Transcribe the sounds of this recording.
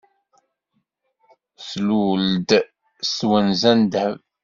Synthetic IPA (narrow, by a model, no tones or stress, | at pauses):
sluld̪ | swænzænd̪hə̰v